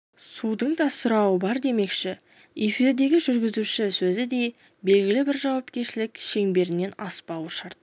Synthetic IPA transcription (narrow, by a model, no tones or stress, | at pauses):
sud̪əɴd̪ɑsʊɾɑwəbɑɾd̪e̞me̞kʃɪ | efiɾd̪e̞ɡʲɪʒʏɾɡʲɪzuʃɪsɵzɪd̪e̞ | be̞lɡʲɪlɪbɪɾʒɑwɑpkʲe̞ɾʃɪlɪkʃe̞ŋbe̞ɾɪnːe̞nɑspɑwəʃɑɾt̪̚